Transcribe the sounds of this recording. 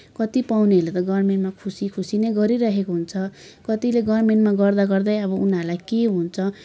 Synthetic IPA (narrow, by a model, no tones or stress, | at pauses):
kʌt̪ipawniɦʌlet̪ʌɡʌrmenʈmakʰusikʰusineɡʌɾiɾʌɦekoɦunt͡sʰʌ | kʌt̪ileɡʌrmeɳʈmaɡʌrd̪aɡʌrd̪ʌjʌbʌunalajkeɦunt͡sʰʌ